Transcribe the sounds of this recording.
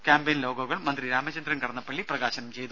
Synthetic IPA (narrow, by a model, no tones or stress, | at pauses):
kʲaːmbejnlo̞ːɡɐɣɐɭmɐnd̪riɾaːmɐt͡ɕɐnd̪ɾɐnkɐɽɐnːɐpːɐɭːiprɐɣaːɕɐnɐmt͡ɕe̞jt̪u